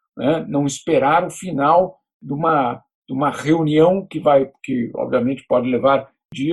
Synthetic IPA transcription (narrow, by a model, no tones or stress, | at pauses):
nɛnɐ̃w̃ispeɾaɾʊfinaw | d̪ũmɐ | d̪̥ũmɐʁeuniɐ̃w̃kɪvajkɪɔ̰bviɐmẽnt͡ʃɪ̥pɔd͡ʒɪlevaɾ | d͡ʒi